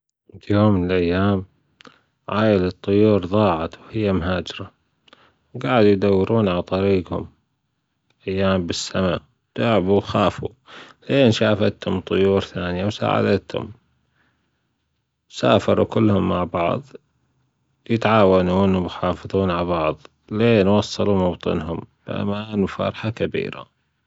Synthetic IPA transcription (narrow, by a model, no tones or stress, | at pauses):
ljoːmːənɪlʔajːaːm | ʕaːjɪlɨt̪ˤːʊjuːɾðˤɑːʕɑt̪whɪjːamɦaːd͡ʒɾa | wɡaːʕd̪ujd̪awːɾuːnʕalt̪ˤɑɾiːɡhʊ̰m | ʔajːaːmbɪsːama | t̪aʕbuwxaːfṵ | leːnʃaːfat̪hʊmt̪ˤʊjuːɾθaːnjawsa̰ːʕa̰d̪at̪hʊ̰m | saːfɑɾˤukɪlːhʊmːaʕbɑʕðˤ | jɪt̪ʕaːwanuːnwmxɑːfɨðˤuːnʕalbɑʕðˤ | leːnwɑsˤːɑlumɑbt̪ˤɨ̰nɦʊmb̥ʔa̰maːnufɑ̰ɾˤħakabḭːɾa̰